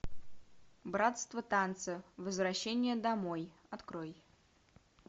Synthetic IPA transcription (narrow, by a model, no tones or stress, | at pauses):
bɾat̪st̪vət̪ant̪sɨvəzvɾɐɕːenʲɪjəd̪ɐmoj | ɐt̪kɾoj